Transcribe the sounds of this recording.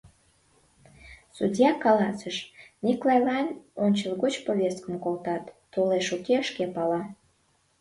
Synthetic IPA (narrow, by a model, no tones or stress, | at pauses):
sudʲjɑkɑlɑsəʃniklɑjlɑnʲonʲt͡ɕəlˠɣut͡ɕpoβʲest̪kəmkolt̪ɑt̪ːuleʃukeəʃkepɑlɑ